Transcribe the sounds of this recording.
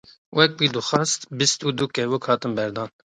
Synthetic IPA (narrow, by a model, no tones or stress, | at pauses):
wɛk̚biːd̪uxɑst̪bist̪uːd̪ukɛwukʰhɑːt̪ɨnbɛɾd̪ɑːn